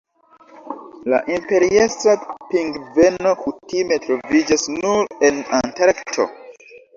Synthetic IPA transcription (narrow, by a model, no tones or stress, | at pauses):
la̰ʔimpeɾiestɾapĩŋɡvenokutimetɾovid͡ʒasnuɾenãntaɾktʰo̰